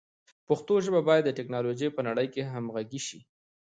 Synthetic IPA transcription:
pʊxt̪oʒəbabɑjad̪ːəʈɪknɑloʒəjpənaɽəjkeɦamɣaɡiʃi

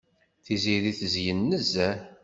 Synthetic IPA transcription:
θiziɾiθəzjənːəzæ

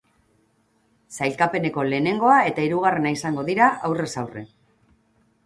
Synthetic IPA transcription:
sajlkape̞ne̞ko̞le̞ːne̞ŋɡo̞ae̞t̪aiɾuɣ̞are̞naisaŋɡo̞ðiɾaʔawre̞sawre̞̰

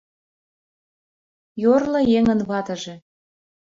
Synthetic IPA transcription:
jorlɤ̆jeŋə̆nβɑt̪ɤ̆ʒĕ

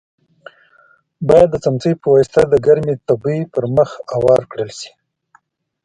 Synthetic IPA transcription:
bɑjad̪ːət͡samt͡səjpəwɑjst̪ad̪əɡaɾmet̪abipəɾməxawɑɾkɽəlʃi̥

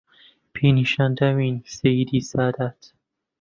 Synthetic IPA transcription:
pʰiːniʃænd̪æmiːnsejiːd̪iːsɑːd̪æt̪

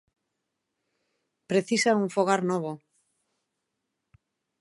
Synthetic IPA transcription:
pɾeθisauɱfoɣ̞aɾnoβo

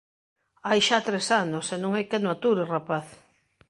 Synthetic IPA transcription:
ajʃat̪ɾesanosenõŋɛkenoat̪uɾerapaθ

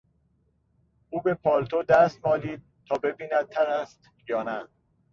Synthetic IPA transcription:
ʔuːbe̞pʰɒːlt̪ʰod̪æst̪̚mɒːliːd̪̥̚t̪ʰɒːbe̞biːnæd̪̚t̪ʰːæɾæst̪ | jɒːnæ

